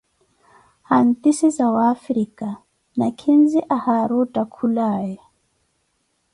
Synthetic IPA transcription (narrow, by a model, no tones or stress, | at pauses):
han̩t̪ʼisizawaːfɾikʼa | nakʰinziʔahaɾɔtʼakʰulaːjɛ